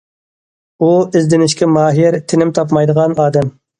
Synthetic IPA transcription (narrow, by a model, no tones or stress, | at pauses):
uɪzd̪ɪnɪʃkʲɛmɑːɦɪɾt̪ʰɪnɪmt̪ʰɑpmɑjd̪əʁɑnɑːd̪ɛm